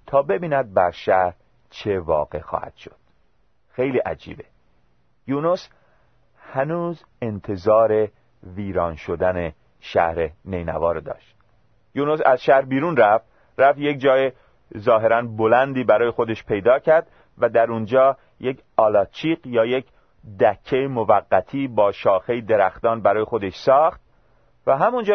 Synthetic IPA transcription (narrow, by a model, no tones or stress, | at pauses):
t̪ʰɒːbe̞biːnæd̪̚bæɾʃæhɾ | t͡ʃʰe̞vɒ̰ːɣe̞̰xɒ̰ːhæ̰d̪̥ʃo̞̥̰d̪̥ | xejliːʔæd͡ʒḭːbe | junus | hænuːz | ent̪ʰe̞zɒːɾe̞ | viːɾɒːnʃo̞d̪æne | ʃæ̰hɾenejnæ̰vɒːɾed̪ɒ̰ːʃt̪̚ | junusæ̰zʃæhɾbiːɾuːnræft̪ | ɾæft̪je̞c̚d͡ʒɒːje | zɒːɦe̞ɾænbolænd̪iːbæɾɒːje̞xo̞d̪e̞ʃpʰe̞jd̪ɒːcʰæɾd̪̥ | væd̪æɾund͡ʒɒː | je̞cʰ | ɒːlɒːt͡ʃʰiːqjɒːjec | d̪æcʰːejmovæɡːæt̪ʰiːbɒːʃɒːxe̞jid̪e̞ɾæxt̪ɒːnbæɾɒːje̞xo̞d̪e̞ʃsɒːxt̪̚ | væɦæmund͡ʒɒ